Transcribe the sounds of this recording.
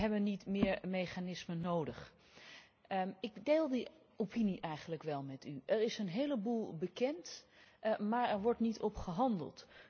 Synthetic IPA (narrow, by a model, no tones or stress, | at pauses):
ɦɛbənːitmɪːɹmejχanɪsmənowdəχ | ɪkdeːlˠdi | opiniʔɛjχənləkʋɛlˠmɛtyʔɛɹɪsənɦejləbulˠbəkɛnt | maːɹɛɹʋɔɹtnitʰɔpχəɦɑndə̰lˠt